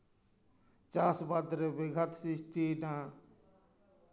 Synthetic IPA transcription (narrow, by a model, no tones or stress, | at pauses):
t͡ʃaːsbad̪ɾebɪɡʱət̪sist̪ʰina